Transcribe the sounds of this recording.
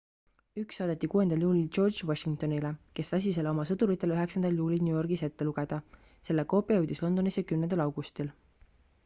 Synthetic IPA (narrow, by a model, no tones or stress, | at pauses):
yksːɑːd̪̥et̪ːikuːe̞nd̪̥ɑljuːlʲilt͡ʃo̞rd̪d͡ʒvoʃiŋɡk̚t̪o̞nileke̞st̪ɑs̬ʲis̬e̞leo̞mɑsɤt̪uɾit̪ːˑe̞lyɦe̞ksɑnd̪̥ɑljuːlʲilnʲujo̞rɡ̥ise̞t̪ːe̞luɡ̥e̞d̪̥ɑ | se̞lːeko̞ːpːˑijɑjɤwd̪̥islo̞nd̪̥o̞nisjɑkymnend̪ɑlɑwɡ̥ust̪il